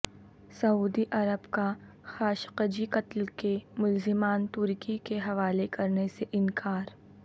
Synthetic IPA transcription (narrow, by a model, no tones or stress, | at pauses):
sɐuːd̪iʔɐɾəbka | xaːʃqəd͡ʒikɐt̪lkemʊlzɪmaːnt̪ʊɾkikeɦɐʋaːlekɐɾneseʔɪnkʰaːɾ